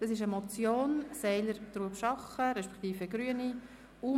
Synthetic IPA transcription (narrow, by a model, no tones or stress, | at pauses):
d̥ɑsɪʃ̬əmɔt͡sjoːnsɛɪləɾt̪ɾuəpʃɑχəɾɛʃpɛ̥kt̪iːfəɡɾyəni | u